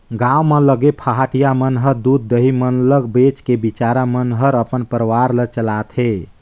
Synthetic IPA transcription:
ɡãwmələɡepʰaɦaʈijamənɦəɾd̪ud̪̚ːəɦimənləɡbet͡ʃkebit͡ʃaɾamənɦəɾəpənpəɾəwaɾlət͡ʃəlat̪ʰɦe

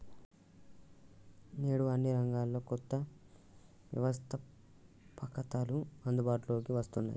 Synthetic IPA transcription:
neːɽuʋɐnːiɾɐŋɡaːlːo̞ːkɔt̪ːɐ | ʋjɐ̰ʋɐst̪ʰɐ | pɐkɐt̪aːluɐnd̪ubaːʈulo̞ːkiʋɐst̪unːa̰ːji

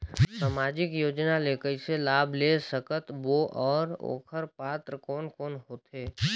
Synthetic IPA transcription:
saːmaːd͡ʒɪkjoːd͡ʒnaleːkəiselaːbʱlesəkət̪boʔɔːɾo̰ːkʰəɾpaːt̪ɾəkɔːnkɔːnɦoːt̪eː

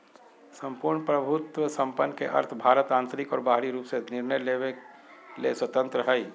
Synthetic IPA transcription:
sə̃mpuːɾɳpɾəbʱʊt̪wəsə̃mpənːkeʔɐ̰ɾt̪ʰbʱaːɾət̪ãːnt̪ɾɪkɔ̰ːɾbaːɦɾiɾuːpsenɪɾnəjleːʋe | leswət̪ə̃nt̪ɾəɦəi

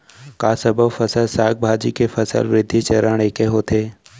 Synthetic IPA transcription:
kaːsəbʱəbfəsəlsaːɡ̚bʱaːd͡ʒikefʰəsə̰lʋɾɪd̪ʱːit͡ʃəɾəɽ̃eːkeɦoːt̪ʰeː

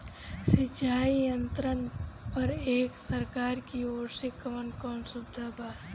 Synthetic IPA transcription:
sɪt͡ʃaːijə̃nt̪ɾənpɐɾeːksəɾkaːɾkioːɾsekəʋənkɔːnsʊbd̪ʱabaː

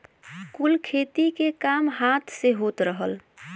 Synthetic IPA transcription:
kulkʰet̪ikekamɦat̪ʰseɦot̪ɾəɦəl

